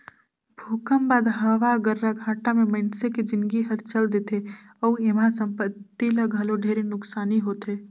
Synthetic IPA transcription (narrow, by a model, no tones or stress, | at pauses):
bʱoːkəmbaːd̪ɦəʋaɡəɾːaɡʱaːʈamẽməɪnseked͡ʒɪnɡiɦəɾt͡ʃəld̪eːt̪e | əuemãsə̃mpət̪ːiləɡʱəloɖʱeːɾenʊksaːniɦoːt̪eː